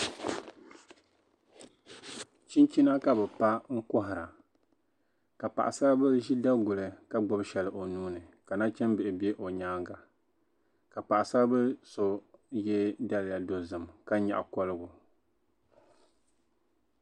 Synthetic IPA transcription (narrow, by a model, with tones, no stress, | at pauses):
t͡ʃi˦nt͡ʃi˦na˦ka˦bɛ˨pa˦ŋ̩˦kʊ˦ɦɪ˨ɾa˨ | ka˨pa̰˨ʔa̰˨sa˦bɨ˦ʒi˦da˦ɡʊ˨lɨ˨ka˦ɡ͡bʊ˦bʃɛ˨lɨ˨ʔo˨nuː˦nɨ˨ka˨na˦t͡ʃɛ˦nbɪ˨ʔɪ˨bɛ˦ʔo˨ɲaː˦ŋɡa˨ | ka˨pa˨ʔa˨sa˦bɨ˦so˦jɛ˦da˦lɪ˨ja˨do˨zɨ˨mka˦ɲa̰˨ʔa̰˨kɔ˦lɨ˦ɡʊ˨